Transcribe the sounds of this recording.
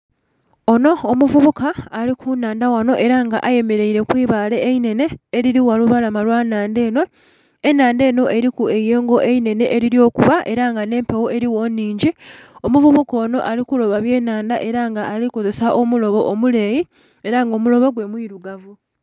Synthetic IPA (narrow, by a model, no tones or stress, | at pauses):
o̞no̞ːmuvuβukaːlikʰunaːndawano̞ʔe̞ɾaŋɡa̰ʔaje̞me̞ɾe̞iɾe̞kwiːβaːle̞ːine̞ne̞ːɾiɾiwaluβalamalwaːnaːnde̞ːno̞ | e̞naːnde̞ːno̞ʔe̞ɾikue̞jeːŋɡo̞ʔe̞ine̞ne̞ʔeɾiɾjo̞ːkuβaʔe̞ɾaŋɡane̞ːmpewo̞e̞ɾiwo̞nːiːɲɟiomuvuβukoːno̞ʔalikulo̞βaβje̞ːnaːndaʔe̞ɾaŋɡaʔːliko̞ze̞saʔomulo̞βo̞ʔːmule̞ːji | eɾaŋɡo̞ːmulo̞βo̞ɡwe̞mwiɾuɡavu